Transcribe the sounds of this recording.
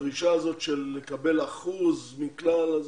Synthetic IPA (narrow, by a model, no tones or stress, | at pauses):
iʃaːzo̞tʃelːekabe̞laχuzminklalaz